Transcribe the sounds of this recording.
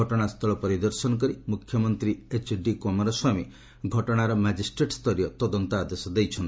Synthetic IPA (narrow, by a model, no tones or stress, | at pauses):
ɔʈɔɽ̃ast̪ʰɔɭɔpɔɾid̪ɔɾsɔnɔk̬ɔɾimukʰːjɔmɔnt̪ɾiet͡ʃɖikɔmɔɾɔswajmi | ɡʱɔʈɔɽ̃aɾɔmad͡ʒisʈɾeʈst̪ʰɔɾijɔt̪ɔd̪ɔnt̪ɔad̪esɔd̪ejt͡ʃʰɔnt̪